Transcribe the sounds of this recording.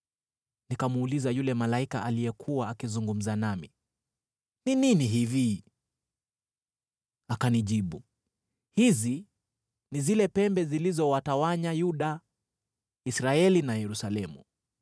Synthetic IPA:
nikamuːlizajulɛmalaikaʔalijɛkʰuwaːkizuŋɡum̩zanami | nininiɦivi | akaniʄiɓu | hizi | nizilɛpɛmbɛzilizɔwatawaɲajuɗa | isɾaɛlinajɛɾusalɛmṵ

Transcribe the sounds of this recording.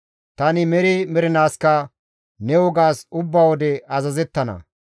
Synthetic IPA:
t̪ɐnɪmɛɾɪmɛɾɪnaːskɐ | nɛwɔɡaːsʊbːawɔd̪ɛɐzɐzɛt̪ːɐnɐ̰

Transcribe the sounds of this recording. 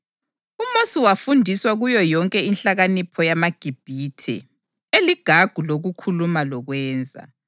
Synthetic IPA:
umosiwafundʱiswaɣujɔjɔŋkʼɛinɬaɣanipʰɔjamaɡ̥ʱib̥ʱitʰɛ̰ | eliɡ̥ʱaɡ̥ʱuloɣukʰulumalɔɣwɛːnd͡zʱa̰

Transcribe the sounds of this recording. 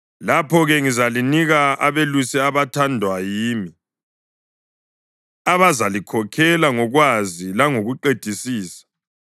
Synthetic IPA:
lapʰɔɣɛŋizaliniɣaa̰βelusɛaβatʰandʱwajiːmi | aβazalikʰɔkʰɛlaŋɔɣwazilaŋoɣuǃed̥ʱisiːsḁ

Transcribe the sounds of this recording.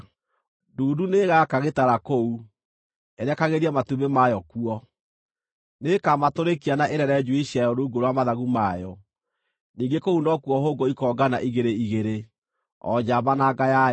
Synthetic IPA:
duːduneɣakaɣetaɾakou | ɛɾɛkaɣeɾiamatumemajɔkuɔ | nekamatoɾekianaʔeɾɛɾɛd͡ʒuiɕjajɔoɾouɡoɾoamaðaɣumajɔ | niːɡekounɔkuɔɦoːɡoikɔːɡanaʔiɣeɾeiɣeɾe | ɔ̰d͡ʑaβanaɡaja

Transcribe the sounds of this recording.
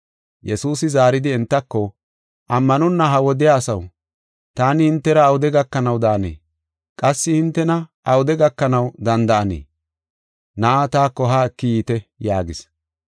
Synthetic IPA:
jʔɛsuːsɪzaːɾɪd̪ɪɛnt̪ːɐkːɔ | ʔɐmːɐnɔnːɐɦɐwɔd̪ɪjaːsɐw | t̪aːnɪhɪnt̪ːɛɾɐːwʊd̪ɛɡɐkːɐnɐwd̪aːnḛː | kʼɐsːɪhɪnt̪ːɛnɐʔɐwʊd̪ɛɡɐkːɐnɐwd̪ɐnd̪ɐʔɐnḛː | nɐʔat̪aːkːɔɦaːɛkːɪjiːt̪ɛjaːɡɪs

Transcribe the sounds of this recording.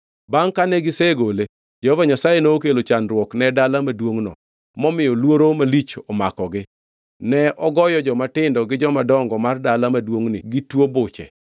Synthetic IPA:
baŋkanɛɡɪseɡole | d͡ʒɛhɔvaɲasajenoːkelot͡ʃanɾwɔknɛdalamadwoŋnɔ̰ | mɔmɪjɔlwoɾomalit͡ʃɔmakɔɡɪ | nɛʔɔɡɔjɔd͡ʒɔmatɪndɔɡɪd͡ʒɔmadɔŋɡɔmardalamadwoŋnɪɡitwobʊt͡ʃɛ̰

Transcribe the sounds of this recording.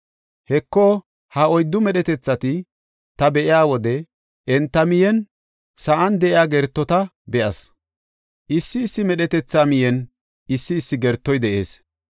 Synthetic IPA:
hɛkːɔ | hɐɔjd̪ːʊmɛɗɛt̪ɛt͡sːɐt̪ɪ | t̪ɐbɛʔɪjaːwɔd̪ɛ | ʔɛnt̪ːɐmɪjɛn | sɐʔɐnd̪ɛʔɪjaːɡɛɾt̪ːɔt̪ɐ | bɛʔɐs | ʔɪsːɪːsːɪmɛɗɛt̪ɛt͡sːaːmɪjɛn | ɪsːɪːsːɪɡɛɾt̪ːɔjd̪ɛʔe̞̰ːs

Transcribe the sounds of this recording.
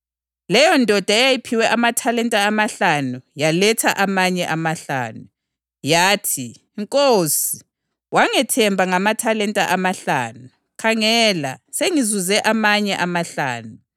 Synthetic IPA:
lɛjɔndʱɔd̥ʱaɛjajipʰiwɛʔamatʰalɛntʼaːmaɬanujalɛtʰaʔamaɲɛʔamaɬa̰ːnu | jaːtʰi | ŋkʼoːsi | waŋɛtʰɛmbʱaŋamatʰalɛntʼaʔamaɬa̰ːnu | kʰaŋɛːla̰seŋizuzɛʔamaɲɛʔamaɬa̰ːnu

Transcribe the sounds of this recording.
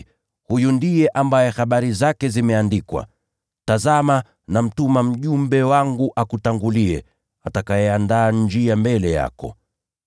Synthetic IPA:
hujundijɛʔambajɛxaɓaɾizakɛzimɛandikwa̰ | tazama | nam̩tumam̩ʄumbɛwaŋɡuʔakutaŋɡuliɛ̰ | atakajɛandaːnd͡ʒiambɛlɛja̰kɔ̰

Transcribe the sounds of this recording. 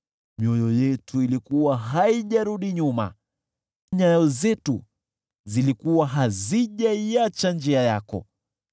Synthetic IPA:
miɔjɔjɛtʰuilikuwaɦaiʄaɾuɗiɲuma̰ | ɲaɔzɛtu | zilikuwaɦaziʄaiat͡ʃand͡ʒiajakɔ̰

